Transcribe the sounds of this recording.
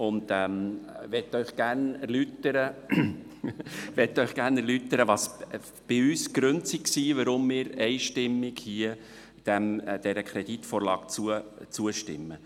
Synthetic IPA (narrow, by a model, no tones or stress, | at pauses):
ʊndɛːmʋɛtːœʏχɡ̥ærnæɾlytəɾə | ʋɛtːœʏχɡ̥æːɾnæɾlytəɾəʋɑːs | b̥ɪyːsɡ̥ɾʉntsiksiːvəɾʊmːɪːɾɛɪʃtɪmːɪɡhiə | d̥æmd̥ɛɾəkʰɾɛd̥̪itfoːɾlɑːkt͡suət͡suəʃtɪ̰mːə